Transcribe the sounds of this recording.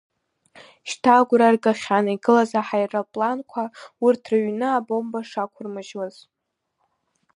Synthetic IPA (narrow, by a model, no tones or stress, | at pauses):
ʃtʰaɡʷɾarɡʼaχʲaniɡɨlazaħajrapʼlankʷʰaurtʰraɥnɨabo̞mbaʂakʷʰʊrmɨʒwaz̥